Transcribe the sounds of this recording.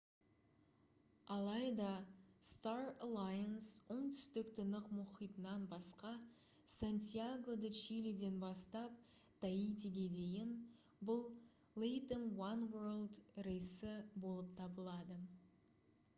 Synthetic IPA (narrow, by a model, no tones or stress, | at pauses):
ɑlˠɑjd̪ɑst̪aralˠajənso̞ɴt̪ʰʏ̥st̪ɪkt̪ʰənəqmʊχijt̪ənɑnbɑsqɑ | sant̪ʲijaɡo̞d̪ət͡ʃiled̪e̞nbɑst̪ɑp̚ | d̪̥ajit̪ʲeɡʲe̞d̪e̞jɪn | bʊlˠ | lejt̪ənwanwəɾlˠd̪ɾejsɪbo̞lˠəp̚t̪ʰɑbəlˠɑd̪ə